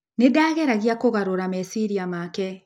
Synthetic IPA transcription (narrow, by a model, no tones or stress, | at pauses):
nedaːɣɛɾaɣiakoɣaɾoɾamɛsiɾiamakɛ